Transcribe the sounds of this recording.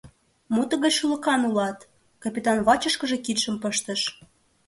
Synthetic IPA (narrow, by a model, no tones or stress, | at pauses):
mut̪ə̆ɣət͡ɕʃulə̆kɑnulɑt̪ | kɑpʲit̪ɑnβɑt͡ɕə̆ʃkə̆ʒĕkit̪ʃə̆mpəʃt̪ə̆ʃ